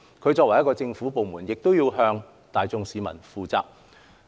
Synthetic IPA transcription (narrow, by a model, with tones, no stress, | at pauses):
kʰɵ˧ɥt͡sɔː˧k̚wɐ˨˩jɐ˥kɔː˧t͡sɪ˧ŋfu˨˥po˨wmuː˨˩njɪ˨k̚t̪o˥wjiː˧wɦœː˧ŋ | t̪aː˨jt͡sʊ˧ŋsiː˨˧mɐ̰˨˩nfuː˨˧t͡sa̰ː˧˥k̚